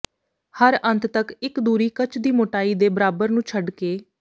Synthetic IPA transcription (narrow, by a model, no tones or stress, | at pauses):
həɾʔə̃nt̪ʰt̪əkɪkd̪uːɾiːkət͡ʃd̪iːmoːʈaːiːd̪eːbəɾaːbəɾnũːt͡ʃʰəɖkeː